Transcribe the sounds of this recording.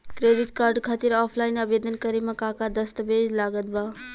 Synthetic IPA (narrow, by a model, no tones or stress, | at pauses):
kɾeːɖiʈkaːɾɖkʰaːt̪iɾaːpʰlaːɪnɐbeːd̪ənkəɾimãkaːkad̪ɐst̪əbeːd͡ʒlaːɡət̪̚baː